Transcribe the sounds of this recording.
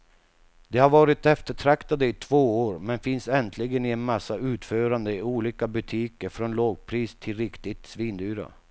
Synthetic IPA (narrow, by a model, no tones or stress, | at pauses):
d̪̥ɛhaɾvɑːɾɪt̪ɛft̪əʈʰɾakt̪ad̪əɪt̪ʰvoːoːɾmɛnfɪnsɛnt̪ʰlɪɡənɪɛnmasːaʉ̟ːt̪føːɾand̪əɪuːliːkabɵt̪ʰiːkəɾfɾɔnloːɡ̚pʰɾiːst̪ʰɪlɾɪkt̪ɪt̪sviːnd̪yːɾa̰